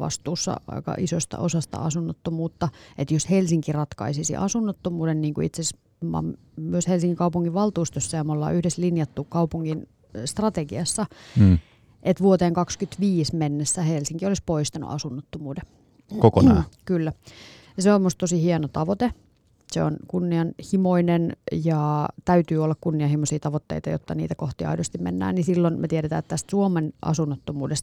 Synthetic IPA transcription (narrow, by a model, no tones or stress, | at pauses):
ʋɑ̰st̪uːsːɑ̰ɑ̰ikɑ̰ʔisost̪ɑ̰ʔosɑst̪ɑ̰ɑ̰sunːot̪ːomuːt̪ːɑet̪joshelsiŋkirɑt̪kɑ̰isisḭʔɑ̰sunːot̪ːomuːdenniːŋkṵḭt̪ses | mɑ̰m | myøshelsiŋːikɑupuŋːiʋʋɑlt̪uːst̪øsːɑjɑmolːɑ̰ːʔyhdeslinjɑt̪ːuːkkɑupuŋːin | st̪rɑt̪eɡiɑsːɑ | ʔet̪ʋuot̪eːŋkɑkskyt̪ʋiːsmenːesːæhelsiŋkiolispoist̪ɑnṵʔɑ̰sunːot̪ːomuːde | kokonkylːæ | jɑseomːust̪osihiɑnot̪ɑʋot̪e | seo̰nkunːiɑnhimoinenjɑt̪æyt̪yːolːɑkkunːiɑhimosiːt̪ɑʋot̪ːḛit̪ɑjo̰t̪ːɑnḭːt̪ækoht̪iɑ̰idost̪imḛnːæ̰ːnnisilːonmet̪ieɾet̪æ̰ːet̪t̪æst̪suomenʔɑ̰sunːot̪ːomuːdest̪